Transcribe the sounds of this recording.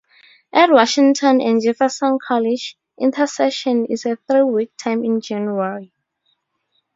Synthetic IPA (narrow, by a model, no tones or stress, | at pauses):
ʔɛtwɔʃĩŋtʰɔ̃nɛ̃nd͡ʒɛfɛsɔ̃nkʰɔlid͡ʒ | ʔĩntʰasɛʃɔ̃nḭsɛθɹiwik̚tʰãj̃mĩnd͡ʒãnjuaɹi